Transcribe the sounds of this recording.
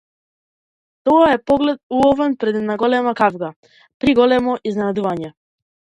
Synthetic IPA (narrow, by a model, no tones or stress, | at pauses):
t̪ɔaɛpɔɡlɛt̪̚uɔvɛnpɾɛd̪ɛnaɡɔlɛmakavɡa | pɾiɡɔlɛmɔʔiznɛnad̪uvaɲɛ